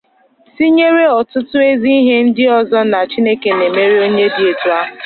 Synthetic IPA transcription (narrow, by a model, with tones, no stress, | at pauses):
si˦ɲe˦ɾe˦ɔ˨tʊ˦tʊ˦e˦zi˦i˦ɦe˦n̩˦dɪ˦ɔ˨zɔ˦na˨t͡ʃi˦ne˦ke˨ne˨me˦ɾi˦o˦ɲe˦dɪ˦e˨tu˨a˦˨